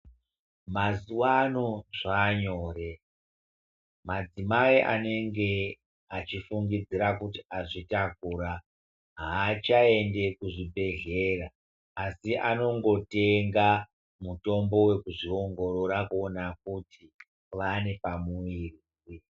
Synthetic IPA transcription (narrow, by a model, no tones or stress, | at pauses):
mazuwanoʐaɲo̞ːre̞ | mad͡zimaiʔa̰ne̞ŋɡe̞ | at͡ʃifuŋɡid͡ziɾakutiaʐitakuːɾa | ɦaːt͡ʃae̞nde̞kuʐibʱe̞ɮe̞raː | siʔano̞ŋɡo̞te̞ŋɡa | muto̞mbo̞we̞kuʐio̞ŋɡo̞ɾo̞ɾakuo̞nak̚uti | ʋane̞pamuwiriːsi